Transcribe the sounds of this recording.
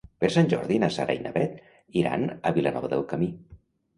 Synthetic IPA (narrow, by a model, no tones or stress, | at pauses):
pəɾsanʲʒɔɾðinasaɾa̰jnʔəβɛt̪ | iɾa̰nəβilənɔβəðelˠkəmi